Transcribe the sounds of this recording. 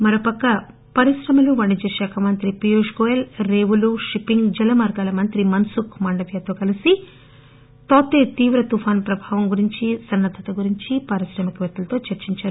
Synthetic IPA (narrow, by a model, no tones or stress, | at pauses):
mɐɾoːpɐkːɐ | pɐɾiʃɾɐmɐluʋɐɳɖid͡ʒɐʃaːkʰɐmɐnt̪ɾipijuːʂɡoːjelɾeːʋuluʂipːiŋɡd͡ʒɐlɐmaːɾɡaːlɐmɐnt̪ɾimɐnsukmɐɳɖɐʋjat̪oːkɐlisi | t̪oːt̪ːeːt̪iːʋɾɐt̪ufʰaːnpɾɐbʱaːʋɐmɡuɾiɲt͡ʃisɐnːɐd̪ʱːɐt̪ɐɡuɾiɲt͡ʃipɐɾisɾɐmɐkʋɐt̪ːulɐt̪o̞ːt͡ʃɐɾt͡ʃiɲt͡ʃaːɾu